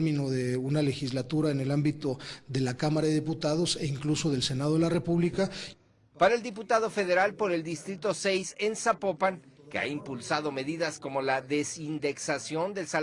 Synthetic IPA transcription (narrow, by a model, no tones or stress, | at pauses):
mĩno̞ðe̞unale̞xizlat̪uɾaene̞lambit̪o̞ðe̞lakamaɾaðeðiput̪aðo̞se̞iŋkluso̞ðe̞lse̞naðoelare̞puβlika | paɾaeld̪ip̬ut̪að̞o̞fe̞ðe̞ɾalpo̞ɾe̞ld̪ist̪ɾit̪o̞sejse̞nsapo̞paŋ | kea̰impulsaðo̞me̞ðiðasko̞mo̞laðe̞sind̪e̞ksasjo̞nd̪e̞lsa